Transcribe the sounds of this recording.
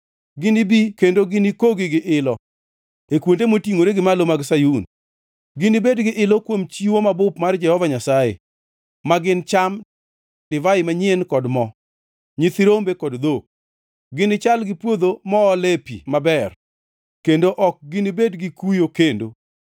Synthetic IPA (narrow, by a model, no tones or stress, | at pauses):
ɡɪnɪbikendoɡɪnɪkoɡɪɡɪʔɪlɔ | ekwontemotiŋoɾeɡɪmalomaɡsajun | ɡɪnɪbedɡɪʔɪlɔkwomt͡ʃiwomabʊpmard͡ʒɛhɔvaɲasajḛ | maɡɪnt͡ʃam | d̥ɪvaɪmaɲɪenkɔdmɔ | ɲɪt̪ɪɾombekɔdd̪ok̚ | ɡɪnɪt͡ʃalɡɪpwod̪omɔːlepḭmabɛr | kendoʔɔk̚ɡɪnɪbedɡɪkujokendo̰